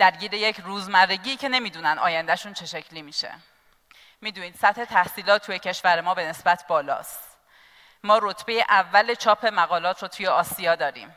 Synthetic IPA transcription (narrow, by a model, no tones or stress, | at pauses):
d̪̥æɾɟiːɾeje̞cʰɾuːzmærːeɟiːcʰe̞ne̞miːd̪uːnænd̪ɒːjænd̪æʃuːnt͡ʃʰe̞ʃe̞cʰliːmiːʃḛ | miːd̪uːniːd̪̥sæt̪he̞t̪ʰæhsiːlɒːt̪ʰːujecʰe̞ʃvæɾe̞mɒːbe̞ne̞sbæt̪ʰbɒːlɒ̰ːst̪ | mɒːɾot̪ʰb̥e̞je̞ʔævːælet͡ʃʰɒːpʰe̞mæɣɒːlɒːt̪ʰɾot̪ʰujeɒːsijɒːd̪ɒːɾḭːm